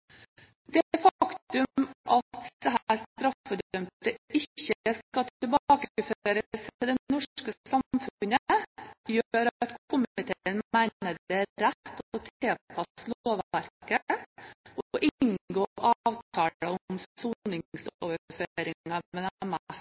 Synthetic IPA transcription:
d̪ɛfɑkt̪ʉmʔɑt̪d̪̥ɛɦæːɾst̪ɾɑfɔd̪tœmt̪əɪçəskɑt̪ɪlbɑːkəəføːɾəsɪd̪ɛnɔʂkəsɑmfnəjøːɾt̪kʰʊmɪɪt̪ʰeːnmæɪnəd̪ɛɾætt̪ːɔfoːt̪ʰeːpʰɑsloːʋæɾkə | ɔɔʔɪŋɡoːʔɑːʋt̪ʰɑːɽəʊmsuːnɪsoːʋəføːɾɪŋɑmɛnm

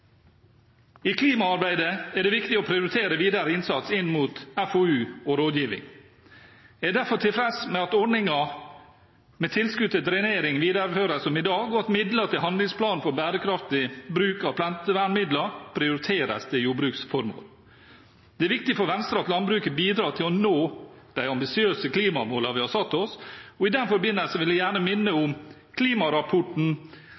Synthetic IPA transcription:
iːkʰliːmɑɑɾbæɪd̪əæɖɛːʋɪkt̪ɪɔpʰɾɪʊɾɪt̪ʰeːɾəʋiːd̪əɾəɪnsɑt̪sɪnːmuːt̪æfoʉːɔɾoːd̪jiːʋɪ̰ŋ | æːɖ̪æfɔʈʰɪlfɾɛsmɛɑt̪ɔɖɳɪŋɑ | mɛt̪ʰɪlskʉt̪ət̪ɾɛneːɾɪŋʋiːd̪əɾføːɾəsɔmɪd̪ɑːɡɔɑt̪mɪd̪lət̪ɪlɦɑnd̪lɪŋspʰlɑːnfɔɾbæːɾəkʰɾɑft̪ɪbɾʉːkɑʋpʰlɛnt̪əʋæːɳmɪd̪lɑpʰɾɪʊɾɪt̪ʰeːɾə̰sd̪ɪjuːbɾʉːksfɔɾmo̰ːl | d̪̥ɛæɾʋɪk̚t̪ɪfɔɾʋɛnst̪ɾɑɑt̪lɑnbɾʉːkəbiːd̪ɾɑːt̪ʰɪlɔnoː | d̪̥æɪɑmbɪsɪøːsəkliːmɑmoːlɑʋɪhɑsɑt̪ːɔsɔɪd̪ɛnfɔɾbɪnːəlsəʋɪlʋæɪjæːɳəmɪnːəʊm | kʰliːmɑɾɑpʰɔʈɳ̩

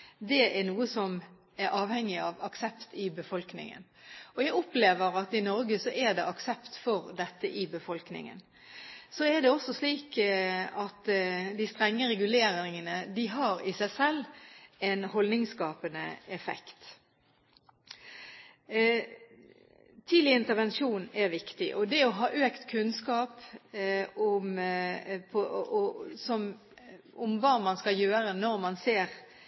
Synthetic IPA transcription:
d̪ɛɛɾnuːəsɔm | ɛɾʔɑːʋhɛŋːɪɑʋɑksɛpt̪ɪbəfɔlknɪ̰ŋə̰nɔjæɡɔpleːʋəɾɑt̪ɪnɔɾɡəsɔʔɛd̪ɛʔɑksɛpt̪fɔɾd̪ɛt̪ːəʔɪbəfɔlknɪ̰ŋə̰n | sɔɛd̪ɛɔsɔsliːkɑt̪d̪ɪst̪ɾɛŋːəɾɛɡʉleːɾɪŋənəd̪ɪɦɑɾɪsæɪsɛlːɛnhɔlnɪŋskɑːpənə̰ɛfɛ̰kt̪ | t̪ʰiːlɪɪnt̪əʁʋɛnʃuːnæɾʋɪkt̪ɪʔɔd̪ɛɔɦɑːʔøːkt̪kʰʉnskɑːp | ʊm | pʰɔ | sɔm | ʊmʋɑːmɑnskɑljøːɾənɔɾmɑnseːʁ

